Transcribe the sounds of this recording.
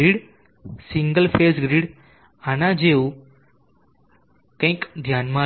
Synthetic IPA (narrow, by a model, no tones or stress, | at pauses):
iːɽ | siŋɡəlfesɡɾiːɽ | anãd͡ʑeu | kãĩkd̪ʱjanma